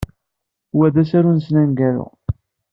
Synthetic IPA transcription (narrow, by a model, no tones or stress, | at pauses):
wæðæsæɾunsnænɡæɾʊ̰